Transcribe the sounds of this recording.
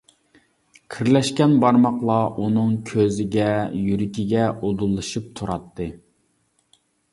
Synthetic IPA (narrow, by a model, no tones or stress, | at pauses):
kʲʰiɾlɛʃkʲɛnbɑɾmɑqlˠɑʔunɨŋkʲʰøzɪɡʲɛjyɾɪkʲiɡʲɛod̪ulˠːɨʃɨp̚t̪ʰuɾɑt̪ʰːɨ